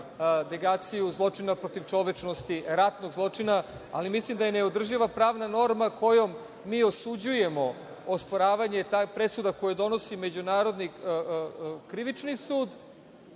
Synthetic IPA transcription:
neɡaːt̪sijuzlˠo̞t͡ʂinapɾo̞t̪iʋt͡ʃo̞ʋet͡ʃnost̪iɾat̪no̞ɡzlˠo̞t͡ʂinaa̰limislimd̪ajeneod̪r̩ʒiʋapɾaːʋnano̞ɾmakʰo̞jo̞mː | iːo̞sud͡ʑuje̞mo̞ | ospoɾaːʋaɲe̞t̪apɾe̞sud̪ako̞jed̪o̞no̞sime̞d͡ʑunaːɾo̞d̪ni | kɾiʋit͡ʃnisuːd̪

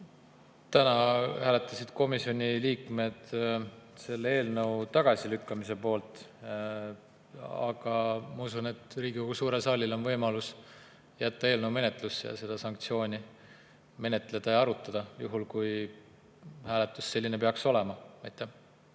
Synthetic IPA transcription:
t̪ænɑhæːle̞t̪ːˑɑsid̪̥ko̞misio̞nʲiliːkme̞d̪̥ | se̞lːee̞ːlnɤwt̪ɑɡ̥ɑsilykːɑmis̬e̞po̞ːlt̪ˑ | ɑ̰ɡ̥ɑmɑusune̞t̪ˑriːɡ̥iko̞ɡ̥usuːɾe̞lsɑːlʲilo̞nvɤjmɑlus | jæt̪ːɑe̞ːlnəwme̞ne̞t̪ˑlusːejɑ̰se̞d̪̥ɑsɑŋk̚t̪sio̞ːnʲi | me̞ne̞t̪ˑle̞d̪̥ɑjɑɑɾut̪ːˑɑd̪̥ɑjṵɦulkuj | hæːle̞t̪ːˑusːe̞lʲːine̞peɑkso̞le̞mɑmɑjt̪ːˑe

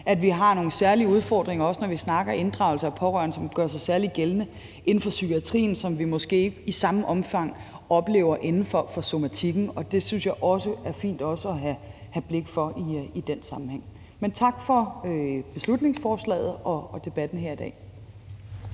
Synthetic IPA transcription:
ʔæd̥ʋiɦɑ̈no̝ːn̩sæɐliuð̞ˠfɒ̰ːd̥ʁeŋɐɒ̽sənɒʋisnɑ̈ɡ̥ɐe̝nd̥ʁɑ̈ʊl̩sɐpʰɒ̽ʁɶ̰ɐ̰nəsɒ̽mɡ̥ɶɐsɑ̈ɪsæɐliɡ̥elnə | ʔe̝nn̩fɒ̽sykʰiæt͡sʰʁḭːn̩sɒ̽mʋimɔ̽sɡ̥e̝̰ːisɑ̈məʔɒ̽mfɑ̈ŋ̰ | ɒ̽b̥le̝̰ːʊɐʔe̝nn̩fɒ̽fɒ̽so̝mæt͡sʰiɡ̥n̩ɒ̽d̥e̝synsjɑ̈ɪʔɒ̽səæɐfḭːnd̥ɒ̽səɒɦæhæb̥le̝ɡ̥fɒ̽ʔiid̥ensɑ̈mn̩heŋ̰ | ment͡sʰɑ̈ɡ̥fɒ̽øb̥e̝slud̥ne̝ŋsfɒːslɛ̰ːð̩ˠɒ̽d̥e̝b̥æd̥n̩ɦeɐ̰id̥ɛ̰ː

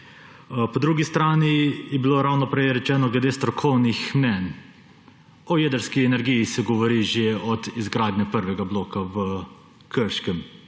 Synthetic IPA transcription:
pɔd̪ɾuɡist̪ɾaːnijɛbiloɾawnɔpɾɛjɾɛt͡ʃɛːnɔɡlɛd̪eːst̪ɾɔkʰɔwnixmnɛn | ɔjeːd̪əɾskiɛnɛɾɡijisɛɡɔʋɔɾiʒeɔd̪izɡɾaːd̪nʲɛpəɾʋɛɡabloːkaʋə | kəɾʃkɛm

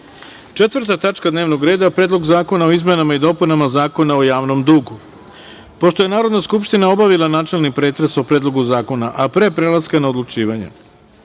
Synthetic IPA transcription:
t͡ʃe̞t̪ʋrɾt̪at̪at͡ʃkad̪neːʋnoɡɾe̞ːd̪apɾeːd̪lo̞ɡzaːko̞nao̞izmenamaid̪o̞punamazaːko̞nao̞jaːʋno̞md̪uːɡu | po̞ʃt̪o̞je̞naːɾo̞d̪naskupʃt̪inao̞baʋilˠanaːt͡ʃe̞lnipɾe̞ːt̪ɾeso̞pɾe̞ːd̪lˠo̞ɡuzaːko̞naʔapɾe̞pɾelaskanao̞d̪lut͡ʃiːʋaɲḛ

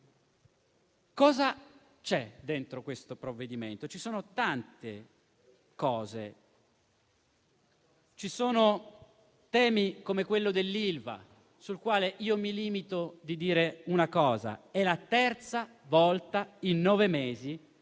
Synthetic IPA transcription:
kɔːza | t͡ʃɛd̪ent̪ɾokwest̪opɾovːed̪iment̪ot͡ʃisoːnot̪ant̪e | kɔːze | t͡ʃisoːno | t̪ɛːmikomekwelːod̪elːilva̰ | sulkwaːleʔiːomiliːmit̪od̪id̪iːɾeunakɔːza̰ɛlat̪ɛrt̪sa | vɔlt̪ainːɔːvemeːzi

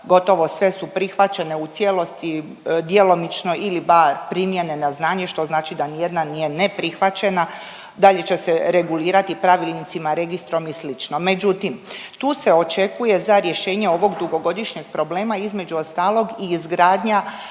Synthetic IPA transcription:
ɡo̞t̪o̞ʋo̞sʋe̞supɾixʋat͡ʃe̞ne̞ut̪sjelˠo̞st̪i | d̪jelo̞mit͡ʃno̞ʔilibaɾpɾimje̞ne̞naznaːɲe̞ʃt̪o̞znaːt͡ʃid̪anijed̪nanije̞ne̞pɾixʋat͡ɕe̞na | d̪aʎe̞t͡ɕe̞seɾe̞ɡuliːɾat̪ipɾaʋilˠnit̪simaɾe̞ɡist̪ɾo̞mislit͡ʃno̞me̞d͡ʒut̪imt̪uːse̞o̞t͡ʃe̞kuje̞zaɾje̞ʃe̞ːɲe̞o̞ʋo̞ɡd̪uɡo̞ɡo̞d̪iʃɲe̞ɡ̥̚pɾo̞ble̞ːmaizme̞d͡ʑuo̞st̪aːlˠo̞ɡiːzɡɾaːd̪ɲa

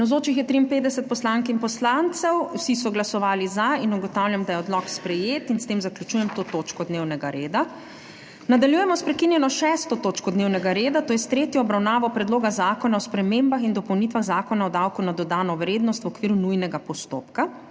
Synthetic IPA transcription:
nawzoːt͡ʃixjɛt̪ɾiːmpeːd̪d̪ɛsɛt̪̚pɔslaŋkinmpɔslant̪sɛwwsisɔɡlasɔʋaːlizainuɡɔt̪awljamd̪ajɛɔd̪lɔkspɾɛjeːt̪inst̪emzaklʲjut͡ʃuːjɛmt̪ot̪oːt͡ʃkɔd̪newnɛɡaɾeːd̪a | nad̪aljujɛmɔspɾɛkinjɛnɔʃɛst̪ɔt̪ot͡ʃkɔd̪neːwnɛɡaɾeːd̪at̪oːjɛst̪ɾeːt̪jɔːbɾawnaːʋɔpɾɛd̪loːɡazaːkɔnaɔspɾɛmembaxind̪ɔpɔwnit̪ʋaɣzaːkɔnaɔd̪awkunad̪ɔd̪aːnɔʋɾeːd̪nɔst̪wɔkʋiːɾunujnɛɡapɔst̪oːpka

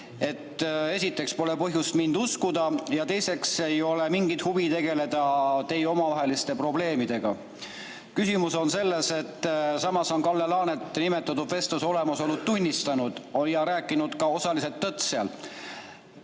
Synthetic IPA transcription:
e̞t̪ːesʲit̪ːˑe̞kspo̞le̞pɤɦjust̪mind̪uskud̪̥ɑjɑt̪e̞jse̞kse̞jo̞le̞miŋɡit̪huvit̪e̞ɡ̥e̞le̞d̪̥ɑt̪e̞jo̞mɑvɑɦe̞list̪e̞pro̞ble̞ːmid̪̥e̞ɡ̥ɑ | kysimuso̞nse̞lːe̞se̞t̪ːsɑmɑso̞nkɑlːelɑːnet̪ːˑnime̞t̪ːˑɑt̪ːud̪ve̞st̪ɑso̞le̞mɑso̞lːud̪̚t̪unʲːist̪ɑnud̪̥o̞ljɑɾæːkːˑinud̪̥kɑo̞sɑlise̞lt̪ːɤt̪seɑl

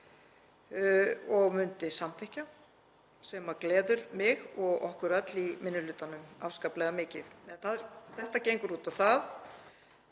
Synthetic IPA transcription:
ɔɣmʏnt̪ɪsamt̪ʰɛhca | sɛmaklɛːðʏɾmɪɣɔɣɔhkʏɾœt̪limɪnːʏlʏːt̪anʏma̰fskaːplɛɣamɪːcɪðɛnθaðɾθɛht̪acejŋkʏɾuːt̪aθað

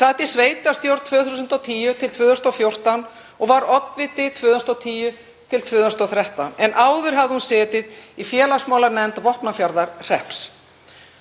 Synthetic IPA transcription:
saːt̪isveːjt̪ast̪jowɾt̪t̪ʰvʏːθusʏnt̪ɔwt̪ʰiːjʏt̪ʰɪlt̪ʰvʏːðʏst̪awfjowr̥t̪an | ɔɣvaɾɔt̪nvɪt̪ɪt̪ʰvʏːðʏst̪ɔwt̪ʰiːjʏ | t̪ʰɪlt̪ʰv̥ʏːðst̪ɔwθɾɛht̪anɛnʔaːwðʏɾ̥ɦavðɪhunsɛːt̪ɪðifjɛːlasmaːwlaɾnɛnt̪vɔhpnafjaɾðaɾr̥ɛhps

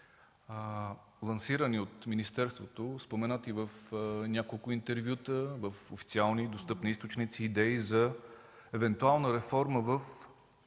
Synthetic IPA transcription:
lˠɐnsiɾəniot̪minist̪ɛɾst̪vot̪ospomɛnat̪ivəfnʲakolˠkʊint̪ɛɾvʲjut̪əvəfofi̥tsialˠnid̪ost̪ɤpniist̪ot͡ʃnit̪siːd̪ɛizɐ | ɛvɛnt̪ualˠnəɾɛfɔɾməvəf

